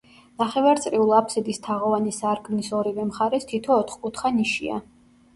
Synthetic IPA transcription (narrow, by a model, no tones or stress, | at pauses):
naχɛvaɾt̪sʼɾiulˠapʰsɛd̪ist̪ʰaʁɔvanisaɾɡmnisɔɾivɛmχaɾɛst̪ʰit̪ʰɔːt̪ʰχkʼut̪χaniʃḭa̰